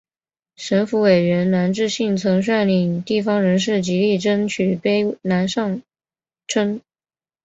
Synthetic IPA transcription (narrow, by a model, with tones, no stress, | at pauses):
ʂə˧˥nfu˧˥we˨˩ɪɻə˧˥nna˧˥nʈ͡ʂɻ̩˥˧ɕi˥˩ŋt͡sʰɤ˧˥ŋʂ̬a˥˩ɪnli˨˩ŋt̪i˥˩fɑ˥ŋɻə˧˥nʂ̬ɻ̩˥˩t͡ɕi˧˥li˥˩ʈ͡ʂə˥nt͡ɕʰy˨˩pe˥ɪna˧˥nʂɑ˥˩ŋ | ʈ͡ʂʰə˥n